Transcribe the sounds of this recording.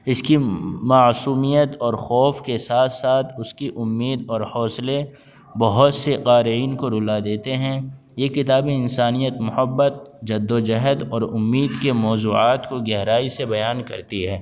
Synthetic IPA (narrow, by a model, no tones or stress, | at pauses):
ɪskimaːsuːmijət̪ɔːɾxɔːfkesaːt̪ʰsaːt̪ʰʊskiʔʊmːiːd̪ɔːɾhɔːsle | bɐɦʊt̪seqaːɾiːnkoɾʊlad̪eːt̪eɦɛ̃ | jekɪt̪aːbẽɪnsaːnijət̪mʊhəbːət̪̚d͡ʒɐd̪ːod͡ʒɐɦəd̪ɔːɾʊmːiːd̪kemɔːzuːaːt̪koɡɛɦɾaːisebɐjaːnkɐ̰ɾt̪iɦɛː